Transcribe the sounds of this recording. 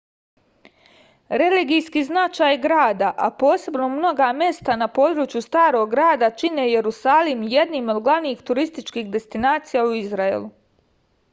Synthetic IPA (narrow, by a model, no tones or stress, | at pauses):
ɾe̞liɡijskiznat͡ʃaːjɡɾaːd̪aʔa̰po̞ːse̞bno̞mno̞ɡamje̞st̪anapo̞ːd̪ɾuːt͡ʃjust̪aːɾo̞ɡːɾaːd̪at͡ʃine̞je̞ɾusaːlimje̞d̪nimo̞d̪ɡlˠaʋniːxt̪uɾist̪it͡ʃkiːxd̪e̞st̪inaːt̪sijauizɾaḛlu